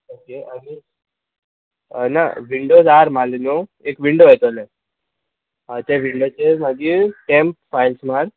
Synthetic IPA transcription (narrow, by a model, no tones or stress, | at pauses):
okeani | na̰ʋiɳɖod͡zaɾmalinoekʋiɳɖoejt̪olẽ | ət̪eʋiɳɖot͡seməɡiʈemp̚fajlsmaɾ